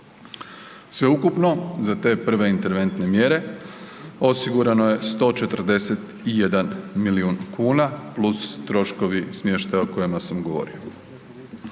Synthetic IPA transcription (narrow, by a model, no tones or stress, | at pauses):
sʋe̞ukupno̞zat̪e̞ːpr̩ʋe̞int̪e̞ɾʋe̞nt̪ne̞mje̞ɾe̞ | o̞siɡuɾanoje̞st̪o̞ːt͡ʃe̞t̪r̩d̪e̞set̪ | ije̞d̪anmiliuːnkuːnaplˠust̪ɾo̞ʃko̞ʋismje̞ːʃt̪ajoko̞jemasamɡo̞ʋo̞̰ɾḭo̞